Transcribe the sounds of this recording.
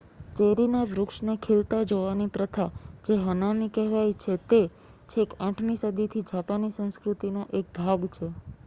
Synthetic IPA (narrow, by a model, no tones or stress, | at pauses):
t͡ʃeɾinaʋɾʊkʃnekʰelt̪ad͡ʒoʋanipɾət̪ʰad͡ʒeɦənanikɛɦʋajt͡ʃʰet̪e | t͡ʃʰekãʈʰnisəd̪it̪ʰid͡ʒapanisə̃ñskɾut̪inoʔek̚bʱaɡt͡ʃʰe